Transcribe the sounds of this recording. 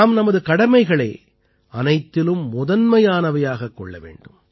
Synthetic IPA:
mnɐmɐðɯkɐɽɐmɐɪɣɐɭeː | ɐnɐɪt̪ːɪlɯmːʊðɐnmɐjaːnɐʋɐjaːɣɐkːɔ̰ɭːɐ̰ʋḛːɳɖɯm

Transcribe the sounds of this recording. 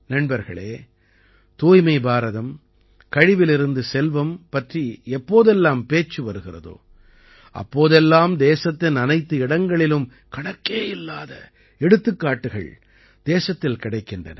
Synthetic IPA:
nɐɳbɐɾɣɐ̰ɭeː | t̪uːjmɐɪbaːɾɐðɐm | kɐɻɪʋɪlɪɾɯnd̪ɯsɛlʋɐmpɐʈriɛpːoːðɛlːaːmpeːt͡ʃːɯʋɐɾɯɣɪrɐ̰ðo̰ː | ʔɐ̰pːoːðɛlːaːmd̪eːsɐt̪ːɪnɐnɐɪt̪ːɯɪɽɐŋɡɐɭɪlɯm | kɐɽɐkːeːɪlːaːðɐ | ɛɽɯt̪ːɯkːaːʈːɯɣɐ̰ɭ | d̪̥eːsɐt̪ːɪlkɪɽɐɪkːɪndrɐ̰nɐ̰

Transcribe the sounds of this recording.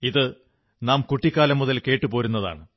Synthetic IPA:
iðɨ | naːmkuʈːikːaːlɐmːuðɐlke̞ːʈːɨpo̞ːɾunːɐða̰ːɳɨ

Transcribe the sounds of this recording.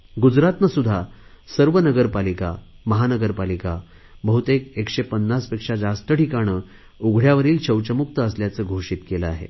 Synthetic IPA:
ɡud͡zɾat̪nəsud̪ʱːasəɾʋənəɡəɾpalika̰ | məɦanəɡəɾpalika | bəɦut̪ekekʂepənːaspekʂad͡zast̪əʈʰikaɽ̃əː | uɡʱɽjaʋəɾiːlɕəwt͡ɕəmuk̚t̪əəsljat͡səːɡʱoɕiːt̪keləaɦḛ

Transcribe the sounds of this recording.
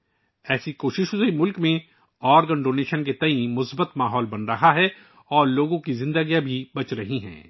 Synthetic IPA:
ɛːsikoːʃɪʃzimʊlkmẽ | ɔːɾɡə̃ɳɖoːneːʃənk̬et̪ɐĩmʊsbət̪maːɦɔːlbɐnɾɐɦaɦɛ | ɔːɾloːɡõkizɪ̃nd̪əɡijabʱibɐt͡ʃɾɐɦiɦɛ̰̃ː

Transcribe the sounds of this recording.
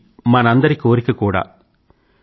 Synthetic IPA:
mɐnɐnd̪ɐɾɪkːɯɔɾɪkːɯkːuːɽa̰ː

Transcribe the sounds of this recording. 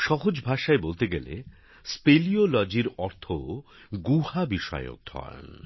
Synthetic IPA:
ʃɔɦod͡ʑbʱaʃaebolt̪eɡelḛ | speliolɔd͡ʑiɾɔɾt̪ʰo | ɡuhabiʃɔ̰eo̰k̚d̪ʰʱɔ̰a̰n

